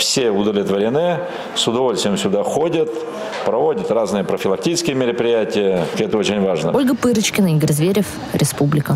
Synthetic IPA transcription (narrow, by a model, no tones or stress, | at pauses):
fsʲeʊd̪əvlʲɪt̪vəɾʲɪnɨ | sʊd̪ɐvolʲst̪vʲɪjɪmsʲʊd̪axodʲət̪ | pɾɐvo̞dʲət̪raznɨjəpɾəfʲɪlˠɐk̚tʲit͡ʃɪ̥skʲɪjəmʲɪɾəpɾʲɪjætʲɪjəkʲɛt̪əot͡ɕɪnʲvaʐnə̰olʲɡəpɨɾɨt͡ɕkʲɪnəiɡʲəɾʲzvʲeɾʲɪf | ɾʲɪspublʲɪkə